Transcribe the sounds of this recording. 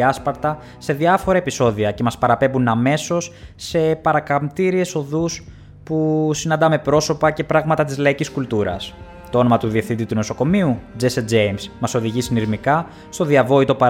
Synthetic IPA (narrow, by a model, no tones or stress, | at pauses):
ɐspɐɾt̪ɐ | se̞ðiɐfoɾɐe̞piso̞ðiɐce̞mɐspɐɾɐpe̞bunɐme̞so̞sːe̞pɐɾɐkɐmt̪iɾie̞so̞ðus | pusinɐnd̪ɐme̞pɾo̞so̞pɐce̞pɾɐɣmɐt̪ɐt̪izlɐiciskult̪uɾɐ̰s | t̪oo̞no̞mɐt̪uðiefθind̪it̪uno̞so̞ko̞miud͡zesed͡zejmsmɐso̞ðiʝisiniɾmikɐ | st̪o̞ðiɐvo̞it̪o̞pɐ